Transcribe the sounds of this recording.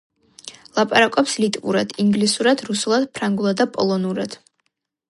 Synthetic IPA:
lˠapʼaɾakʼɔpslit̪ʼvṵɾad̪̥iŋɡlisuɾad̪̥ɾusulˠad̪̥̚pʰɾaŋɡulˠad̪apʼɔlˠɔnuɾad̪̥

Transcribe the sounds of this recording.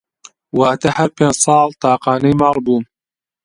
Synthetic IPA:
wɐʔɐt̪ɐhɐɾpeːnd͡ʒsˤɑːlt̪ʰɑːqɑːnɐjmɑːlˤbuːn

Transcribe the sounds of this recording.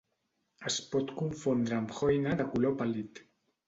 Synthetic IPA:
əspɔt̪kuɱfond̪ɾəamxojnaðəkulopalit̪

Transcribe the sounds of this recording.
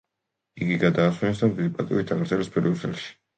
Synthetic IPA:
iɡiɡad̪aːswɛnɛs̬d̪amd̪id̪ipʼat̪ʼḭwit̪ʰaɡɾd̪zɛlɛspʼɛɾiɔsʰɛlʃi̥

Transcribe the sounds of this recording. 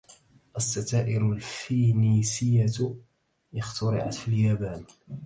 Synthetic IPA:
ʔasːat̪aːʔɪɾʊlfiːniːsɪjːa | ʔɪxt̪ʊɾɪ̰ʕa̰t̪filjaːbaːn

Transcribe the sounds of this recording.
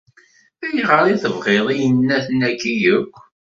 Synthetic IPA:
æjʁəɾˤiθəvʁeðˤijənːæθnækːijəkʷː

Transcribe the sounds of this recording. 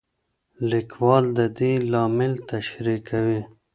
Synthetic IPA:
lɪkwɑːld̪əd̪ilɑːmɪlt̪aʃɾikawi

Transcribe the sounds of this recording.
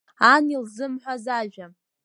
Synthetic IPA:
anilzɨmħʷazaʒʷᶣa

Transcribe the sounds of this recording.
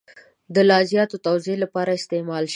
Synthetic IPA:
d̪əlɑzjɑt̪ot̪awzelapɑɾaɪst̪emɑlʃ

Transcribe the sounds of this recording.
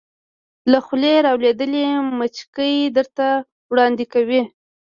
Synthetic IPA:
laxleɾɑwled̪əlemət͡ʃkəjd̪əɾt̪a | wɽɑnd̪ɪkawi

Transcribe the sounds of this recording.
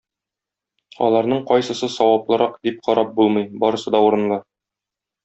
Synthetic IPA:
ɒ̰lˠɑɾnɤɴqɒjsɤ̆sɤsɒwɑplˠɤ̆ɾɑqd̪ip̚qʰɒɾɑp̚bulˠmɤjbɒɾɤ̆sɤd̪ɒuɾɤ̆nlˠɤɾ

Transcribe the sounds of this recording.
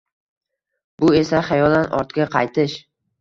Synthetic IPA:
bʊe̞saχɑjɒlˠanʔɒ̰ɾt̪ɡʲaqʰɑjt̪ʰɪʃ

